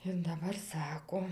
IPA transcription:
ɪr dɐˈbɐr ˈsɑːkoː

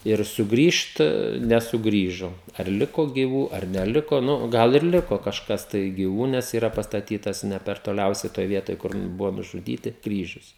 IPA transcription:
ɪr sʊˈɡrʲiːʃt nʲɛsʊˈɡrʲiːʒoː ɐr ˈlʲɪkoː ɡʲiːˈʋuː ɐr nʲɛˈlʲɪkoː ˈnʊ ˈɡɐlˠ ɪr ˈlʲɪkoː kɐʃˈkɐs tɐɪ ɡʲɪˈʋuː nʲɛs iːˈrɐ pɐstɐˈtʲiːtɐs ˈnʲɛ pʲɛr toːˈlʲɛʊsʲɛɪ ˈtoːj ˈʋʲiɛtoːj kʊr ˈbʊʋoː nʊʒʊˈdʲiːtʲɪ ˈkrʲiːʒʲʊs

